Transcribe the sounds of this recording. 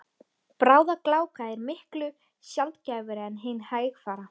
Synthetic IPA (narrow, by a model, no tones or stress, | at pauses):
pɾaːwðaklaːwkaɛɾmɪhklʏ | sjalt̪caːvʏɾɪɛnɦeːjnhaːjxfaːɾa